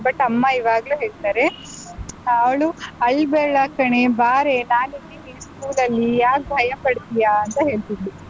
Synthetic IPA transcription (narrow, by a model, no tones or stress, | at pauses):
bɐʈːɐmːɐiʋaːɡɐluːɦeːɭt̪aːɾe̞ | ɐʋɭuɐɭːbeːɭɐkɐɳe̞baːɾenaːninːiniɾskuːlɐlːijaːk̚bʱɐjɐpɐɽt̪ijaːɐnt̪ɐɦe̞ːɭt̪id̪ːi